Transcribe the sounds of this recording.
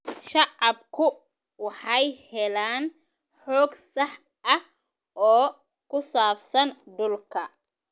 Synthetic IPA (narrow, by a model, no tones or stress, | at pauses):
ʃɑʕɑb̚kʰʊ | wɑħɑjhɛlaːn | ħɔːɡsɑħ | ʔɐh | ɔː | kʰʊsaːfsɐnɖʊlkʰɐ